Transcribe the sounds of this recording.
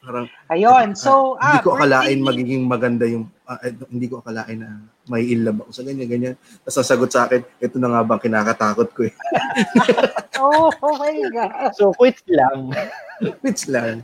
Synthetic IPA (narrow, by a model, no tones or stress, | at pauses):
paːɾɐŋʔɐjonsohɪnd̪iːkoʔɐkɐlaːʔɪnmɐɡiːɡɪŋmɐɡɐnd̪ajʊŋ | ɐʔɛhɪnd̪iːko̞ʔɐkɐlaːʔɪnɐ | mɐhiʔɪlːɐbɐko̞sɐɡɐɲːaɡɐɲan | t̪ɐsɐsɐɡot̪̚sʔaːkɛnʔɛt̪onɐŋaːbɐʔɐŋkɪnaːkɐt̪aːkot̪̚koɛ | ookɐliɡɐsokɪt͡ʃlaŋ | kwɪslɐŋ